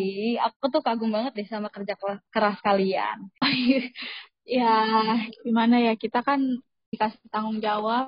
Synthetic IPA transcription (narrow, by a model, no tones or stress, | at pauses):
iapat̪uhkaɡʊŋbaŋət̪̚dɛsamakərd͡ʒakkəɾaskalia̰n | ja | ɡimanajakit̪akan | dikast̪aŋʊŋd͡ʒawa